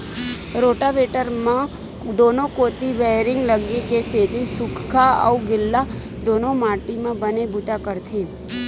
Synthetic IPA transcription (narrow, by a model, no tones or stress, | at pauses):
ɾoʈaʋeʈəɾmã | d̪onokot̪iʋeɾɪŋɡləɡekeset̪isʊkʰkʰaə̰uɡɪlːa | d̪onomaʈimãbənebʊt̪akəɾt̪ʰe